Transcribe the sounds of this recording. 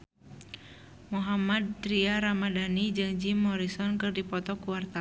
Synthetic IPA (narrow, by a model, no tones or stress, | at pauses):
muɦamad̪̚ːɾiaɾamadanid͡ʒɨŋd͡ʒimːɔɾisɔnkɨrdipɔt̪ɔkuwart̪a